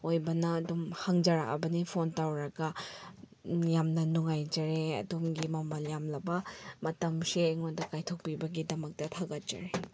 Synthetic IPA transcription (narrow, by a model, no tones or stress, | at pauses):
ojbɐnɐːdumhɐŋd͡ʒɐɾakɐ̰bɐnipʰontawɾɐɡɐ | jamnɐnuŋajd͡ʒɐɾeɐ̰dumɡimɐmɐljamlɐbɐmɐtɐmsiːŋondɐkajtʰok̚pibɐɡidɐmɐk̚tɐtʰaɡɐt̚d͡ʒ̥ɐ̰ɾe